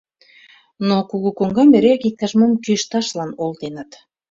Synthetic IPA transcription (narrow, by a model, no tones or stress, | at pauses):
nokuɣukoŋɡɑmeɾekit̪̚kːɑʒməmkyʃt̪ɑʃlɑnolˠt̪enɑt̪